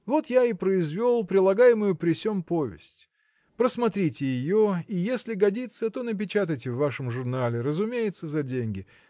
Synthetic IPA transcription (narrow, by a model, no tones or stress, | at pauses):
vo̞t̪jaipɾəɪzvʲolˠpɾʲɪlˠɐɡajɪmʊjʊpɾʲɪsʲompovʲɪ̰sʲtʲ | pɾəsmɐt̪ɾʲitʲɪjɪjo̞ijesʲlʲɪɡɐdʲit̪sət̪o̞nəpʲɪt͡ɕat̪əjtʲɪvːaʂəmʐʊrnalʲɪɾəzʊmʲejɪt̪səzɐdʲenʲɡʲɪ